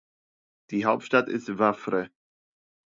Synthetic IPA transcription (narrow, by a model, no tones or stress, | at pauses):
d̥iːɦaʊp̚tʃtatɪ̰stvafɾə